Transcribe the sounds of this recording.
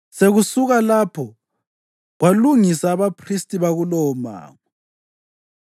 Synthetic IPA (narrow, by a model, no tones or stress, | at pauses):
seɣusuɣalapʰɔ | ɣwaluŋisaːβapʰristʼiβaɣulɔma̰ːŋa